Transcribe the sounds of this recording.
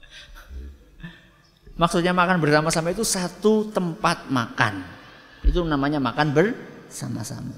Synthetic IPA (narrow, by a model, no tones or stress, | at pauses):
mak̚sut̪̚ɲamakanbərsamasamait̪̬usat̪ut̪əmpat̪̚maka̰nit̪unamaɲamakanbərsama̰sa̰ma̰